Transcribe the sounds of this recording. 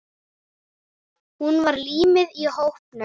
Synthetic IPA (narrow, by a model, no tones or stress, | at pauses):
hunvaɾliːmɪðihowhpnʏ